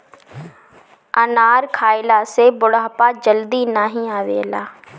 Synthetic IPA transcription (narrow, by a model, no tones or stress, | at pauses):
ənaːɾkʰaːɪlaːsebʊɽaːpaːd͡ʒəld̪inaːɦĩaːʋḛːəlaː